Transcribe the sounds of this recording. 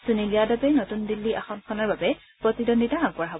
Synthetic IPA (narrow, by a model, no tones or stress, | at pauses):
suniliadabɛnotundilːiʔaxɔnkʰɔnaɹbabɛ | pɹɔtidonditaɦaɡpɔɹaɦɔbɔ